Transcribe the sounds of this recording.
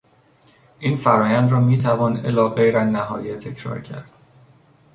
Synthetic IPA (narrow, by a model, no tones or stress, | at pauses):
ʔiːnfæɾɒːjænd̪ɾɒːmiːt̪ʰævɒːnelɒːɣejɾænːæɦɒ̰ːjet̪ʰe̞cʰɾɒ̰ːɾcʰæ̰ɾd̪̥